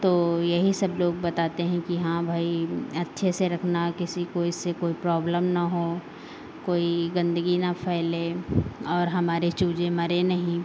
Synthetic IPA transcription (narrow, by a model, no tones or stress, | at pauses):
t̪oːjɐɦisɐbloːɡbɐt̪aːt̪eɦɛ̃kiɦãbʱaːiɐtːʃʰeseɾɐkʰnakɪsikoɪsːekoːipɾɔːbləmnaɦo | koːiɡɐ̃nd̪əɡinapʰɛːlẽɔːɾɦɐmaːɾet͡ʃuːd͡ʒemɐɾenɐɦĩ